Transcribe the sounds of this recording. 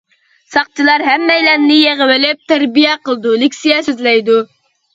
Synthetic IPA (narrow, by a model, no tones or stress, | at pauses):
sɑχt͡ʃʰilˠɑɾɦɛmːɛjlɛnnɪjeʁəwɪlɪp̚t̪ʰæɾbijɛqəlˠɨd̪ulɪkʲsijɛsøzlɛjd̪u